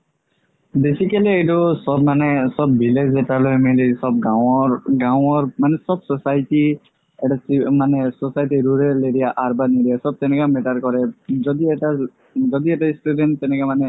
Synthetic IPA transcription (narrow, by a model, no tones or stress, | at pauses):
besikaliejtusɔb̚manɛsɔbːilezɛtalojmilisɔb̚ɡawɔɹɡaw̃ɔɹmanɛsɔb̚sɔsajti | ɛʈasimanɛsɔsajʈiɾuɾɛleɾijaʔaɹbaniɾijasɔb̚t̪ɛnɛkamɛʈaɾkɔɹɛzɔd̪iɛʈa | zɔd̪iɛʈaisʈudɛnːɛnɛkamanɛ